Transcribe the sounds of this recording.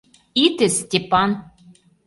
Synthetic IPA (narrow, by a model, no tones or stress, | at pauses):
it̪esʲtʲepɑn